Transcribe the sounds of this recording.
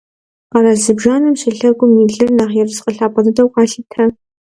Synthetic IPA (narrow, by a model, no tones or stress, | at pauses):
qɑɾaːzɨbʒaːnɨmɕɪɬɐrɡʷʊmiːɮɨrnaːʁjɛrɨsqəɬaːpʰʼɐdɨdɐwxʷʰaːɬɨtʰɐ